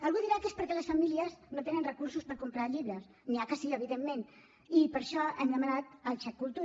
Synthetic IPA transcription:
əlˠɣuðiɾakespəɾkɛləsfəmiliəznot̪enənrəkuɾsuspəɾkumpɾaʎiβɾəs | niakəsiəβ̞iðemːen | ipəɾʃɔɛmd̪əmənat̪əlˠt͡ʃɛkːulˠt̪u

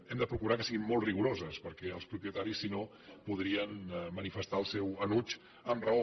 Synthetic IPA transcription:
ɛmd̪əpɾukuɾakəsiɣimːolˠt̪riɣuɾozəspəɾkɛəlˠspɾupiət̪aɾisːino | puð̞ɾiənmənifəst̪aəlˠsɛwənut͡ʃ | əmrəo

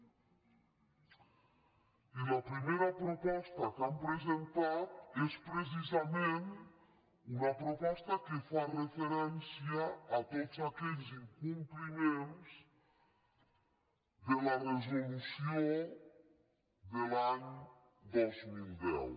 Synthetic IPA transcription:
ilɐpɾimeɾɐpɾopɔst̪ɐkampɾezent̪at̪espɾes̬izamen | unɐpɾopɔst̪ɐkefarefeɾɛnsjaːt̪otzakɛʎziŋkumplimẽnz | ðelareʒensjo | d̪elaɲ | d̪ozmilˠd̪ɛ̰w

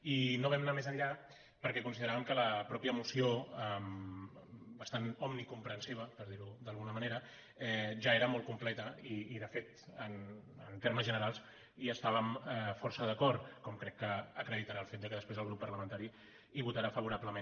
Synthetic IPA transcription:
inoβɛmnamezəʎʎa | pəɾkɛkunsiðəɾaβəmkələpɾɔpjəmusioəm | bəst̪anɔmnikumpɾənsiβ̞əpəɾðiɾud̪əlˠɣunəməneɾə | ɛʒaeɾəmɔlˠt̪kumplɛt̪əiːðəfet̪ənə̰nt̪eɾməzʒənəɾalˠs | iəst̪aβəmɛfɔɾsəðəkɔɾt̪kɔmkɾɛkːəːkɾəðit̪aɾaːlˠfet̪̚d̪əkəðəspɾezəlɣɾupːɐrləmə̃nt̪aɾi | iβut̪aɾafəβ̞uɾapləmẽn

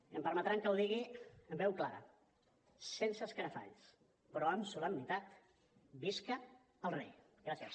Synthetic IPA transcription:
əmpəɾmət̪ɾaŋkəwðiɣiəmbɛwklaɾə̰ | sensəskəɾəfa̰ʎs | pɾɔəmsuləmbit̪at̪ | biskə | əlˠrḛj | ɡɾasiəs

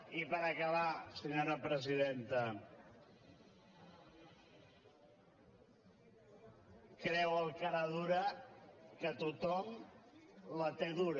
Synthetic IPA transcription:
ipəɾəkəβasəɲoɾəpɾəziðent̪ə | kɾɛwəlˠkaɾaðuɾə | kət̪ut̪ɔm | lət̪eðuɾ

